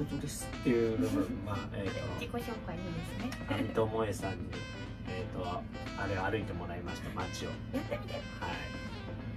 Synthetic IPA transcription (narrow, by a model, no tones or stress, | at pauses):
ot͡ɕid̪e̞sɨ̥t̪ʰːejɯ̟bɯbɯ̃maeːt̪ːokikoçoːkoaind̪esɨneamʲit̪omo̞esãɲ̟ːi | eːt̪o | aɾe̞aːɾɯit̪e̞mo̞ɾaimaɕi̥t̪ama̰t͡ɕio̰at̪ːemʲit̪a | hai